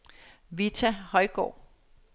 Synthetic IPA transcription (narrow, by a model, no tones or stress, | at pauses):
ʋit͡sʰæhɒ̽ɪɡ̥ɒ̰ː